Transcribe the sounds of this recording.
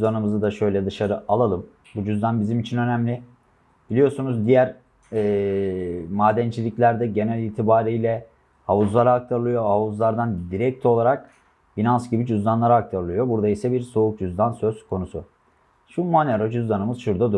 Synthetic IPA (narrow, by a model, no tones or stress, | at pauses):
d̪anɯmɯzad̪aʃø̞jlʲɛd̪ɯʃaɾɯʔalˠalˠɯm | bud͡ʒyzd̪ʲænbizimit͡ʃʰinø̞næmlʲɪ | bilʲijo̞sunuzd̪ijæɾ | ɛː | maːd̪ɛnt͡ʃʰilʲiclʲæɾd̪ɛɟe̞nælʲiːt̪ʰibaːɾijlʲɛ | havuzlˠaɾaak̚t̪ʰaɾɯlˠɯjo̞havuzlˠaɾd̪and̪iɾɛc̚t̪ʰo̞lˠaɾak̚ | finansɟibid͡ʒyzd̪ʲanlˠaɾaak̚t̪ʰaɾɯlˠɯjo̞buɾd̪aisɛbiɾso̞uk̚d͡ʒyzd̪ʲansø̞z̥kʰo̞nusʊ | ʃumaneɾod͡ʒyzd̪anɯmɯz̥ʃuɾd̪ad̪u